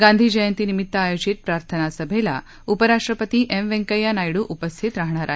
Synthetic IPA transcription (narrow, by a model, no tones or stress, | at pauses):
ɡaːnd̪ʱid͡ʒɐjɐnt̪inimit̪ːaaːjoːd͡ʒit̪̚pɾaːɾt̪ʰɐnaːsɐbʱɛlɐ̰ | upɐɾaːʂʈɾɐpɐt̪iʔemʋeŋkɐjanaːjiɽuʔupɐst̪ʰit̪ɾɐɦɐɳaːɾʔa̰